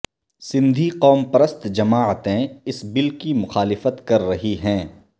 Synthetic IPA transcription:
sɪ̃nd̪ʱiqɔːmpɐɾəst̪d͡ʒɐmaːʕət̪ẽɪsbɪlkimʊxaːlɪfət̪kɐɾːɐɦiɦɛ̃ː

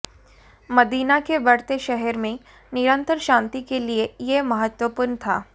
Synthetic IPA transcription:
mɐd̪iːnakebɐɽt̪eʃɛɦɛɾmẽ | nɪɾə̃nt̪əɾʃãːnt̪ikeliejemɐɦət̪wəpʊɾnt̪ʰaː

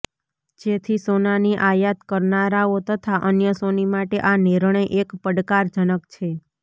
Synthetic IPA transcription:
d͡ʒet̪ʰisonaniʔajət̪kəɾnaɾaot̪ət̪ʰaʔənjəsonimaʈeʔaniɾɳ̃əjʔekpəɖkaɾd͡ʒənəkt͡ʃʰe

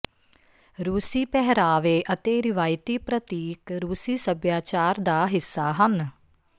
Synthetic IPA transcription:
ɾuːsiːpɛɦɾaːʋeːʔət̪eːɾɪʋaːjt̪iːpɾət̪iːkɾuːsiːsəbjaːt͡ʃaːɾd̪aːɦɪsːaːɦən

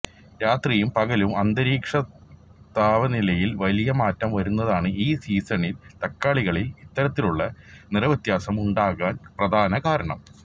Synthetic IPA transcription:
ɾaːt̪rijumpɐɣɐlumɐnd̪ɐɾiːkʂɐt̪aːʋɐnilɐjilʋɐlijɐmaːtːɐmʋɐɾunːɐðaːɳɨiːsiːsɐnilt̪ɐkːaːɭiɣɐɭilit̪ːɐɾɐt̪ːiluɭːɐnirɐʋɐt̪jaːsɐmuɳɖaːɣaːnprɐd̪ʱaːnɐkaːɾɐɳɐ̰m

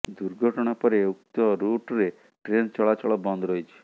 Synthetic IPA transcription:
d̪uɾɡʱɔʈɔɽ̃apɔɾeuk̚t̪ɔɾuʈɾe | ʈɾent͡ʃɔɭat͡ʃɔɭɔbɔnd̪ʱɾɔit͡ʃʰi̥

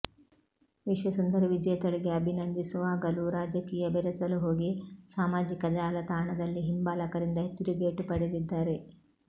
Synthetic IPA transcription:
ʋiʃʋɐsɐnd̪ɐɾɐʋid͡ʒɐjɐt̪ɐɭiɡe̞ɐbʱinɐnd̪isuʋaːɡɐluɾaːd͡ʒɐkiːjɐbɛɾɛsɐluɦo̞ːɡisaːmaːd͡ʒikɐd͡ʒaːlɐt̪aːɳɐd̪ɐlːiɦimbaːlɐkɐɾind̪ɐɦet̪ːiɾiɡeːʈupɐɽid̪id̪ːaːɾe̞

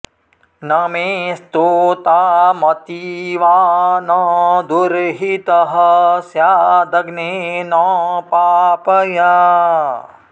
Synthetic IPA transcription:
nɐmeːst̪oːt̪aːmɐt̪iʋaːnɔːd̪uɾɦit̪ɐɦɐsjaːd̪ɐɡnenɔːpaːpɐja

